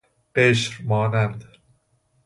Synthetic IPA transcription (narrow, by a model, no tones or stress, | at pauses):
eʃɾmɑːnænd̪